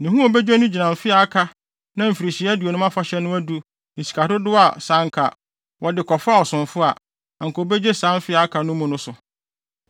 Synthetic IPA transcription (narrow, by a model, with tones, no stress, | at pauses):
nĩ˨ɦũ˦o˨bɛ˦d͡ʑᶣe˦nʊ̃˦d͡ʑi˨nã˨n˨fɪ˦a˨a˦kʰa˦ | nã˦m̩˨fi˨ɾi˨ɕi˨˦æ˦du˨o˨nʊ̃˦a˦fa˦ɕɛ˦nʊ̃˦æ˦du˦ | n̩˨si̥˨kʰa˨tʊ˦dʊ˦a˨sã˦ŋ˦kʰa̰˨ | wʔɔ˨dɪ˨kʰɔ˨fa˦˨ɔ˨sʊ̃˨nfʊ˦a˨ | a˨ŋ̩˨kʰɔ˨be˦d͡ʑe˦sã˦n˦fɪ˦a˨a˦kʰa˨nʊ̃˦mʊ̃˨nʊ̃˦sʊ˨